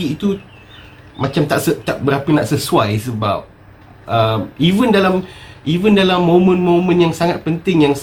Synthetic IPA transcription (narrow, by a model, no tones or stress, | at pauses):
iit̪u | mãt͡ʃamt̪aʔsət̪aʔbəɾapənaʔsəsuajsəba̰p̚ | əmivəndalamʔivəndalamːõmə̃nmõmə̃njaŋsaŋat̪̚pənt̪ɪŋjaŋs